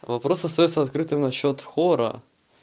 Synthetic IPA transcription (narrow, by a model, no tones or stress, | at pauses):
vɐpɾo̞sɐst̪ɐjot̪səɐt̪̚kɾɨt̪ɨmnɐɕːot̪xoɾə̰